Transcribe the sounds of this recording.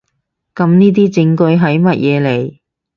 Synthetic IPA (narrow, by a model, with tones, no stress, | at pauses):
kɐ˨˧˥mniː˥t̪̬iː˥t͡sɪ˨˥ŋkɵ˧ɥɦɐ˨˥jmɐ˥t̚jɛː˨˧le˨˩j